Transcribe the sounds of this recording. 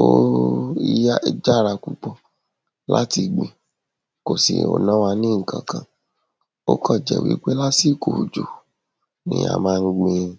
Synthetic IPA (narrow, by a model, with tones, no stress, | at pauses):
o˦i˧ja˦˧d͡ʒa˦˨ɾa˧ku˨k͡po˨ | la̰˦ti˧ɡ͡bĩ˨ | ko˨sḭ˨o̰˨nã˦wa˧nĩ˦ŋ̩˨kʰã̰˨kã˨ | o̰˦kɔ̃˦˨d͡ʒɛ˨wḭ˨˦k͡pe˦la˦si˦˨ko˨d͡ʒo˨ | nḭ̃˦a̰˧mãː˦˧˦ɡ͡bẽ˧